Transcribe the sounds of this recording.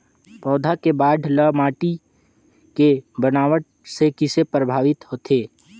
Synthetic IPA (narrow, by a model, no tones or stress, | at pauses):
pɔːd̪ʱakebaːɖʱləmaːʈi | kebənaːʋəʈ̚ | sekɪsepɾəbʱaːʋɪt̪ɦoːt̪ʰeː